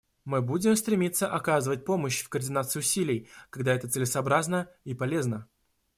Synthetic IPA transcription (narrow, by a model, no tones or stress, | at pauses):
mɨbudʲɪmst̪ɾʲɪmʲit̪sːəʔɐkazɨvət̚ʲpo̞məɕfkərdʲɪnat̪sɨɪʊsʲilʲɪjkɐɡd̪aɛt̪ət̪sɨlʲɪsəɐbɾaznəipɐlʲe̞znə